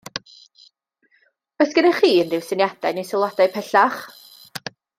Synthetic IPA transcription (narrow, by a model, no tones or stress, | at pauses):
ɔsɡ̥ənaχiːəndɪwsənjad̥anejsɪlˠadajpʰɛɬaχ